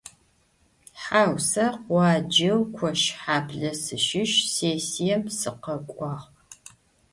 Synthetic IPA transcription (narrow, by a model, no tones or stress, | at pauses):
ħaːwsɐqwʷɑːd͡ʒɐwkʷʰɔʃħaːpʰɮɐsɨʃɪʃseːsijɐmsɨqɐkʷʼɑːʁ